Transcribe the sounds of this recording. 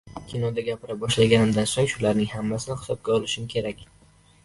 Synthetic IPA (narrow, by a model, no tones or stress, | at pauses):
kʲʰinɒd̪aɡʲapʰɪɾabɒʃlaɡʲanɪmd̪ansoŋʃʊlaɾnɪŋhamːasɪnɪhɪ̥sɒb̚ɡʲaɒlɪʃɪmkʲʰe̞ɾakʲ